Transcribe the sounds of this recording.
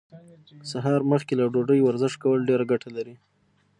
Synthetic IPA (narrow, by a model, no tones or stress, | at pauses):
saɦɑɾməxkelaɖoɖəjwaɾzɪʃkawəlɖeɾaɡaʈʰalaɾi